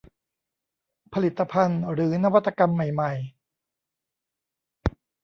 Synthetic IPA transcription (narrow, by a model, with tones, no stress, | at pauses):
pʰa˧li˨˩t̪ːa˧pʰa˧nɾɯː˩˦na˦˥wa˦t̪ːa˧ka˧mːa˨˩jma˨˩j